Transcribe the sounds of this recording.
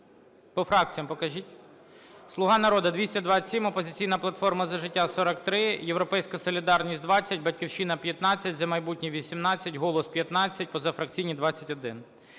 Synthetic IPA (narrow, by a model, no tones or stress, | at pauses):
pɔfɾɑk̚t͡sʲijɐmpɔkɐʒʲitʲ | slˠʊɦɑnɐɾɔd̪ɐd̪ʋʲisʲtʲɐd̪ʋɑsʲimɔpɔzʲɪt͡sʲijnɐplˠɐt̪fɔrmɐzɐʒɪtʲːasɔɾɐkt̪ɾɪjewɾɔpɛjsʲkɐsɔlʲid̪ɑrnʲisʲtʲd̪ʋɑt͡sʲːɐtʲbɐtʲkʲiwʃinɐpʲjɐt̪nɑt͡sʲːɐtʲzɐmɐjbutʲnʲiʋʲisʲimnɑt͡sʲːɐtʲɦɔlˠɔspʲjɐt̪nɑt͡sʲːɐt̚ʲpɔzɐfɾɐk̚t͡sʲijnʲid̪ʋɑt͡sʲːɐtʲɔd̪ɪn